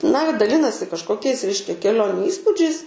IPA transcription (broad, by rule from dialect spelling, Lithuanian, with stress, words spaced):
nɐ dɐˈlʲɪnɐsʲɪ kɐʃkoːˈkʲɛɪs ˈrʲɛɪʃʲkʲɛ kʲɛˈlʲoːnʲʊ ˈiːspuːd͡ʒʲɛɪs